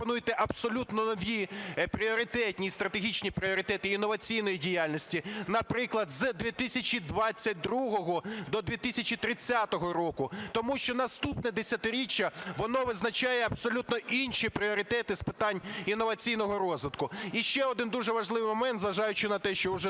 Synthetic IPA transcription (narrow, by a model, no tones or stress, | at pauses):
pɔnujɪt̪ɛʔɐbsɔlʲut̪nɔnɔʋʲipɾʲiɔɾɪt̪ɛtʲnʲist̪ɾɐt̪eɦʲit͡ʃnʲipɾʲiɔɾɪt̪ɛt̪ɪinːɔʋɐt͡sʲijnɔjidʲijalʲnʲɔsʲtʲinɐpɾɪklˠɐd̪zd̪ʋʲit̪ɪsʲɐt͡ʃid̪ʋɑt͡sʲːɐt̚ʲd̪ɾuɦɔɦɔd̪ɔd̪ʋʲit̪ɪsʲɐt͡ʃit̪ɾɪt͡sʲːat̪ɔɦɔɾɔkʊt̪ɔmuʃt͡ʃɔnɐst̪upnɛd̪esʲɐt̪ɪɾʲit͡ʃːɐʋɔnɔʋɪznɐt͡ʃɑjɛɐbsɔlʲut̪nɔʔinʃipɾʲiɔɾɪt̪ɛt̪ɪspɪt̪ɑnʲinːɔʋɐt͡sʲijnɔɦɔɾɔzʋɪt̪kʊiʃt͡ʃɛɔd̪ɪnd̪uʐɛʋɐʒʐlˠɪʋɪjmɔmɛnt̪zʋɐʒɑjʊt͡ʃɪnɐt̪ɛʃt͡ʃɔʊʒɛ